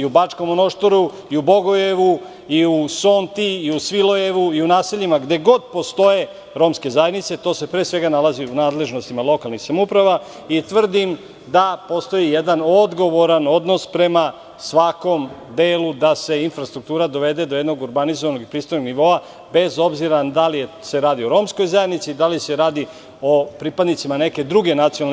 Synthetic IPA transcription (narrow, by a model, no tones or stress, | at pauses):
iubat͡ʂkomono̞ʃt̪oɾu | iubo̞ɡojeʋu | iusont̪iːusʋilo̞je̞ʋuiunaːse̞ʎimaɡd̪e̞ɡo̞d̪̚po̞st̪o̞je | ɾo̞ːmske̞zajed̪nit̪se̞t̪o̞ːse̞pɾesʋe̞ɡanalaziunaːd̪le̞ʒno̞st̪imalˠo̞kalnixsamupɾaʋa | it̪ʋr̩d̪im | d̪apo̞st̪o̞jijed̪ano̞d̪ɡo̞ʋo̞ɾano̞d̪no̞spɾe̞ma | sʋako̞m | d̪e̞ːlud̪ase̞infɾast̪ɾuk̚t̪uːɾad̪o̞ʋe̞d̪e̞d̪oje̞d̪noɡuɾbanizoʋanoɡipɾiːst̪o̞jnoɡniʋo̞a | be̞zo̞bziɾad̪alijese̞ɾaːd̪io̞ɾo̞ːmsko̞jzajed̪nit̪siːd̪alise̞ɾaːd̪i | opɾipad̪nit̪simane̞ke̞d̪ɾuɡe̞nat̪sijonal